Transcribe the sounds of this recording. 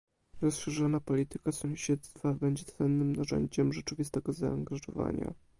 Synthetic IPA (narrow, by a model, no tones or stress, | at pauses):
ɾɔsʂɛʐɔnapɔlʲit̪ɘkasɔ̃w̃ɕɛt̪st̪fabɛɲd͡ʑɛt̪sɛnːɘmnaʐɛ̰ɲd͡ʑɛmʐɛt͡ʂɘvʲist̪ɛɡɔzaːŋɡaʐɔ̰va̰ɲa̰